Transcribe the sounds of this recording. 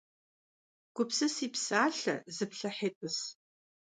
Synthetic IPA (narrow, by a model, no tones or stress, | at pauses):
ɡ̥ʷʊpsɨsiːpsaːɬɐ̰zɨpɬɐħeːtʼɨs